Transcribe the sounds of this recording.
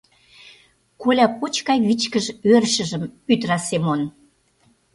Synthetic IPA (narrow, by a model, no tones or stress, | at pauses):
kolʲɑpot͡ɕkɑjβit͡ɕkəʒørʃə̆ʒə̆myt̪ɾɑsemon